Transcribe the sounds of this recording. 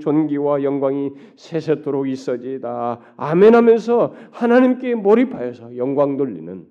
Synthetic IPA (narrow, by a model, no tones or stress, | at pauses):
t͡ɕonɡiwajʌŋɡwaŋi | sʰesʰetʰoɾoɡis͈ʌd͡ʑidaː | menɦamjʌns̬ʰʌhanaɲimk͈e̞mʌɾipʰajʌsʰʌjʌŋɡwaŋnoʎːḭnɯn